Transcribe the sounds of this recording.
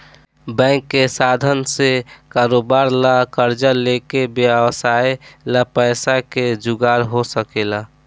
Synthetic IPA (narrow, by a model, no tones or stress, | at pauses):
bɛ̃ŋkːesad̪ʱənsekaɾobaɾlakəɾd͡ʒalekebjbsaelapəɪsaked͡ʒuɡaɾɦosəkela